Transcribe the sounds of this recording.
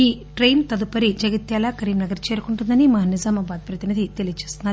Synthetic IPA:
iː | ʈɾejnt̪ɐd̪upɐɾid͡ʒɐɡɐt̪jaːlaːkɐɾiːmnɐɡɐɾt͡ʃeːɾukuɳʈund̪ɐnimɐnizaːmɐbaːd̪̚pɾɐt̪inid̪ʱit̪e̞lijɐt͡ʃeːst̪unaɾ

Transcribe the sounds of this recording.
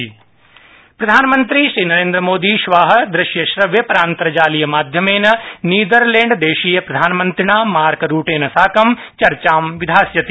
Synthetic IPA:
pɾɐd̪ʱaːnmɐnt̪ɾiʃɾiːnɐɾẽːnd̪ɾɐmoːd̪iʃʋaːɦɐ̆d̪ɾɪʃjɐʃɾɐʋjɐpɐɾaːnt̪ɐɾɐd͡ʒaːlijɐmaːd̪ʱjɐmeːnɐniːd̪ɐɾlẽːɳɖd̪eːʃijɐpɾɐd̪ʱaːnmɐnt̪ɾɪnaːmaːɾkɾuːʈeːnɐsaːkɐmt͡ʃɐɾt͡ʃaːmʋid̪ʱaːsjɐt̪

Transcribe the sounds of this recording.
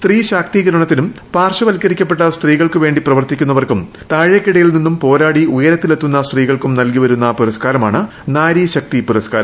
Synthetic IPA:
st̪riːɕaːk̚t̪iːɡɐɾɐɳɐt̪ːinumpaːrʂɐʋɐlkʲːɐɾikʲːɐpːe̞ʈːɐst̪riːɣɐɭkɨʋe̞ːɳɖiprɐʋɐrt̪ːikʲːunːɐʋɐrkum | t̪aːɻekːiɽɐjilninːumpo̞ːɾaːɽiujɐɾɐt̪ːile̞t̪ːunːɐst̪riːɣɐɭkumnɐlkiʋɐɾunːɐpuɾɐskaːɾɐmaːɳɨ | naːɾiɕɐk̚t̪ipuɾɐskaːɾɐm

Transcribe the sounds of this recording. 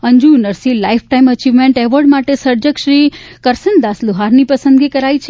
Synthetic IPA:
əɲd͡ʒunəɾsilaifʰʈaimət͡ʃiʋmeɳʈeʋəɾɖmaʈesəɾd͡ʒəkʃɾi | kəɾsənd̪asluɦaɾnipəsə̃nd̪ɡikəɾajt͡ʃʰ

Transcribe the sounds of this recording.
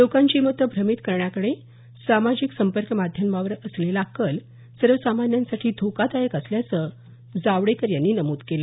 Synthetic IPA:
lokãɲt͡ɕiːmət̪əbʱɾəmit̪kəɾɳjakəɽe | samad͡ʑiksəmpəɾkəmad̪ʱjəmaʋəɾəslelakəl | səɾʋəsamanjãnsaʈʰiːd̪ʱokat̪ajəkəsljat͡sə | d͡zaʋɽekəɾjanːiːnəmuːd̪kela

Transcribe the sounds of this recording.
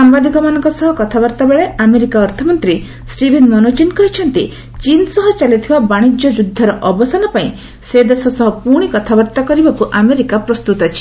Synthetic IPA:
sambad̪ikɔmanɔŋkɔsɔɦɔkɔt̪ʰabɔɾt̪abeɭeameɾikaɔɾt̪ʰɔmɔnt̪ɾi | sʈibʱenmɔnut͡ʃinkɔɦit͡ʃʰɔnt̪i | t͡ʃinsɔɦɔt͡ʃalit̪ʰibabaɽ̃id͡ʒjɔd͡ʒud̪ʱːɔɾɔʔɔbɔsanɔpaĩ | sed̪esɔsɔɦɔpuɽ̃ikɔt̪ʰabɔɾt̪akɔɾibakuʔameɾikapɾɔst̪ut̪ɔt͡ʃʰi̥

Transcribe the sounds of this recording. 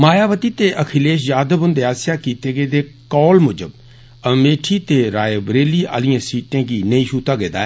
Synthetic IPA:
maːjaːʋət̪iːt̪eːʔəkʰɪleːʃ̬jaːd̪əbʊnd̪eːaːsjaːkiːt̪eːɡeːd̪eː | kɔːlmʊd͡ʒəb | əmeːʈʰiːt̪eːɾaːeːbɾeːliːa̰ːlɪjãːsiːʈẽːɡiːnəĩʃuːt̪aɡeːd̪a̰ː

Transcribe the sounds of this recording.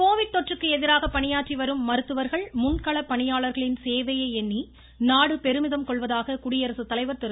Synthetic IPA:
koːʋɪʈ̚t̪ɔʈrɯkːɯɛðɪɾaːɣɐpːɐɳɪjaːʈriʋɐɾɯmːɐɾɯt̪ːɯʋɐɾɣɐɭmʊnkɐɭɐpːɐɳɪjaːɭɐɾɣɐɭɪnseːʋɐjɐɪɛnːi | naːɽɯpɛɾɯmɪðɐmkɔɭʋɐðaːɣɐkʊɽɪjɐɾɐsɯt̪ːɐlɐɪʋɐɾt̪ɪɾ

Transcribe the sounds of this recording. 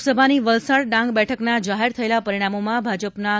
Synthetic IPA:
səbʱaniʋəlsaɽɖãŋɡbɛʈʰəknad͡ʒaɦeɾt̪ʰəelapəɾiɽ̃amomãbʱad͡ʒəpna

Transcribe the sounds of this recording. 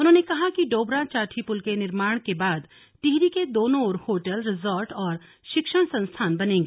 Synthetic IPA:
ʊnɦõːnekɐɦakiɖoːbɾat͡ʃaːʈʰipʊlkenɪɾmaːɽ̃kebaːd̪ | ʈɪɦɾiked̪oːnõoːɾhoːʈəlɾɪzoːɾʈɔːɾ | ʃɪkʃəɽ̃sɐ̃nst̪ʰaːnbɐnẽːŋɡeː

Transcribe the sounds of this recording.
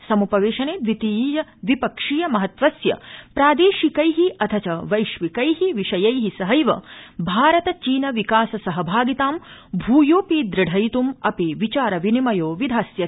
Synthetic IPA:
sɐmupɐʋeːʃɐneːʋit̪iːjɐʋipɐkʂiːjɐmɐɦɐt̪ʋɐsjɐ̰pɾaːd̪eːʃikɐjɦiʔɐt̪ʰɐt͡ʃɐʋɐjʃʋikɐjɦiʋiʃɐjɐjɦisɐɦɐjʋɐ̰bʱaːɾɐt̪ɐt͡ʃiːnɐʋikaːsɐsɐɦɐbʱaːɡit̪aːmbʱuːjoːpiːd̪ɾɐɖʱɐjt̪umɐpiʋit͡ʃaːɾɐʋinimɐjoːʋid̪ʱaːsjɐ

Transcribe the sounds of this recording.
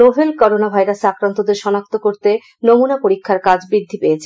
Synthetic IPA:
obʱelkɔɾonabʱajɾasakɾant̪od̪eɾʃɔnak̚t̪okoɾt̪e | nomunapoɾikʰːaɾkad͡ʑbɾid̪ʱːipeet͡ɕʰe

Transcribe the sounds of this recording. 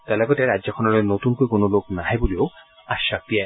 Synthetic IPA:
t̪alaɡɔt̪eɾadd͡ʑakʰɔnɔɾenot̪unkoikonoloknaɦebolio | aʃak̚t̪ia

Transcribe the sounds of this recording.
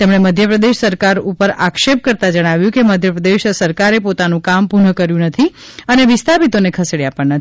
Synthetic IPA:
t̪emɳ̃eməd̪ʱjəpɾəd̪eʃsəɾkaɾupəɾakʃep̚kəɾt̪ad͡ʒəɽ̃aʋjũkeməd̪ʱjəpɾəd̪eʃsəɾkaɾepot̪anũkampunəkəɾjũnət̪ʰi | əneʋɪst̪ʰapit̪onekʰəseɽjapəɳnət̪

